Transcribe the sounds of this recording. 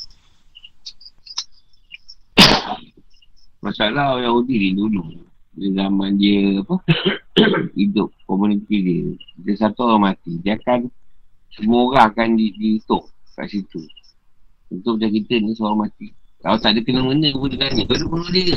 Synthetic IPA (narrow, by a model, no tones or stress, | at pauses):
mʔasalaojahudididuludəzamandiəapə | idʊp̚kɔmunit̪idiədəsat̪uɣamat̪idiakansəmoɣaakandidiːt̪ʊʔka̰ʔsit̪u | unt̪ʊʔd͡ʒakit̪əndəsoɾamat̪ikalat̪aʔdəkənəmənəbudilanibədumənoʔdiə